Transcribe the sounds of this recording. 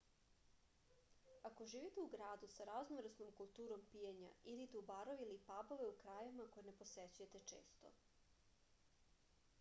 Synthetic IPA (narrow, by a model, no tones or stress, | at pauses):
ako̞ʒiːʋit̪euɡɾaːd̪usaɾaznomɾesno̞mkulˠt̪uːɾo̞mpijeɲa̰iɾit̪eubaɾoʋilipabo̞ʋe̞ukɾajemako̞jene̞poset͡ɕujet̪e̞t͡ʃḛːst̪o̰